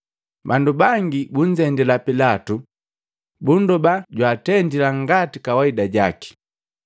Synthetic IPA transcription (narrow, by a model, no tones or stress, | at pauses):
bandubaŋɡibuɲ̩d͡ʒɛndɛlapilatu | bundɔbaɟwaːtɛndilaŋɡatikawaidaɟaki̥